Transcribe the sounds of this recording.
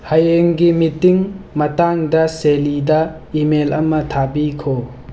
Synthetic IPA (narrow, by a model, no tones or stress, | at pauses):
hajeŋɡimitiŋmɐtaŋdɐselidɐ | imelɐmːɐtʰabikʰo